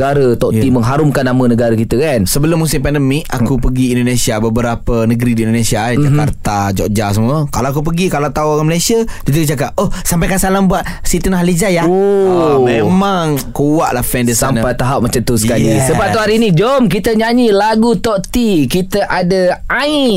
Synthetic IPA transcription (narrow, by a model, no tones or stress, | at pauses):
ɡaɾət̪ɔʔt̪iməŋɦaɾʊmkanːamə̃nəɡaɾəkit̪əkansəbəlʊmːusɪmpɛndəmika̰kupəɡiːndonesiabəbəɾapənəɡəɾidiːndonesiad͡ʒaka̰rt̪ad͡ʒɔ̰ʔd͡ʒas̬əmuəkalawak̬up̬əɡikalat̪auoɣaməlajsiadit̪̬ud͡ʒakaʔ̚ohsampajkasalambuat̪̚ | sit̪unɦalid͡ʒaja | memãŋkuwaʔlahfɛndisamnpajt̪aɦap̚mət͡ʃat̪usəkalisəbaʔt̪uaɾiːnid͡ʒɔmk̬it̪əɲaɲilaɡut̪ɔʔt̪ikit̪əʔadəai